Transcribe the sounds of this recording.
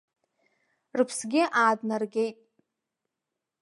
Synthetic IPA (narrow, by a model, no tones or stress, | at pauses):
rɨpʰsɡʲɪʔaːdnarɡʲe̞jtʼ